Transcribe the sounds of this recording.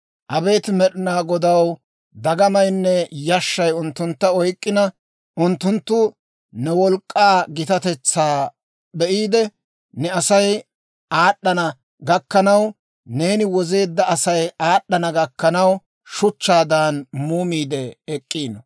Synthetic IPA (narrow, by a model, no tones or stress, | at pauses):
ʔɐbe̞ːt̪mɛɗɪnaːɡɔd̪ɐw | d̪ɐɡɐmɐjnːɛjɐʃːɐjʊnt̪ːʊnt̪ːɐɔjkʼːɪnɐ | ʔʊnt̪ːʊnt̪ːʊ | nɛwɔlkʼːaːɡɪt̪ɐt̪ɛt͡sːaː | bɛʔiːd̪ɛ | nɛɐsɐj | aːɗːɐnɐ | ɡɐkːɐnɐw | ne̞ːnɪwɔze̞ːd̪ːɐɐsɐjaːɗːɐnɐɡɐkːɐnɐw | ʃʊt͡ʃːaːd̪anmuːmiːd̪ɛɛkʼːiːn